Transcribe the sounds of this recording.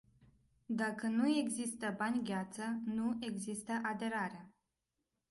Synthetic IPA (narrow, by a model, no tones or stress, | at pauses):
d̪akənue̞ɡzist̪əbanʲɡʲat̪sənue̞ɡzist̪əʔad̪e̞ɾaɾe